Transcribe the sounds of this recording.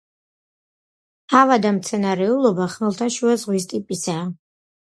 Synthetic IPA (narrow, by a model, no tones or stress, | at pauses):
avad̪amt̪sʰɛnaɾɛulˠɔbaχnɛlˠt̪ʰaʃuazʁwis̬t̪ʼipʼisaː